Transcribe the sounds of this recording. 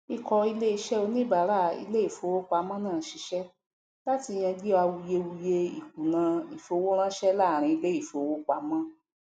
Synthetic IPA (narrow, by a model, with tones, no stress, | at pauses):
i˧kɔ˧i˧le˦i˧ʃɛ˦o˧nĩ˦˨ba˨˦ɾa˦˨ḭ˧le˦i˦˨fo˧wo˦k͡pa˧˦mã˦nãː˦˨ʃi˨˧ʃɛ˦ | la˦ti˧j̃ɛ̃˧d͡ʒi˦a˧wu˧je˧wu˧je˧ḭ˨ku˨nã˧i˨fo˧wo˦ɾ̃ã˦ʃɛ˦la˦˨ɾ̃ĩ˧i˧le˦i˦˨fo˨˧wo˦k͡pa˧˦mã˦